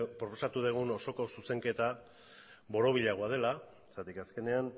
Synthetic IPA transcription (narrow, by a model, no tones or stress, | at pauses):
pɾo̞po̞sat̪uðeɣ̞uno̞so̞ko̞suse̞ŋke̞t̪a | βo̞ɾo̞β̞iʎaɣ̞oað̞e̞la | sat̪ikaske̞ne̞an